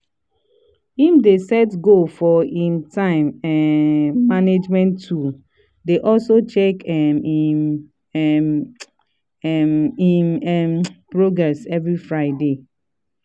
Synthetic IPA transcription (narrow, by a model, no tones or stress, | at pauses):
ifdesɛtɡofɔĩntʰãɪ̃mɛː | aned͡ʒmɛ̃ntʰːu | deʔɔlsot͡ʃɛkɛmi | iɛmpɹoɡɹɛsɛvɹifɹaɪde